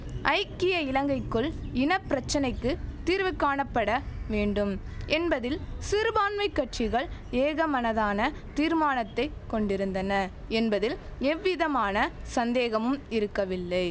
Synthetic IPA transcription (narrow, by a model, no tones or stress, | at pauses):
ʔɐɪkːɪjɐɪlɐŋɡɐɪkːɯɭɪnɐpːɪɾɐt͡ʃːɐnɐɪkːɯt̪ːiːɾʋɯkːaːɳɐpːɐɽɐʋeːɳɖɯmʔɛnbɐðɪlsɪɾbaːnmɐɪkːɐʈt͡ʃɪɣɐɭeːɣɐmɐnɐðaːnɐ | t̪iːɾmaːnɐt̪ːɐɪkɔɳɖɪɾɯnd̪ɐnɐ | ɛnbɐðɪlɛʋːɪðɐmaːnɐ | sɐnd̪eːɣɐmɯmɪɾɯkːɐʋɪlːɐɪ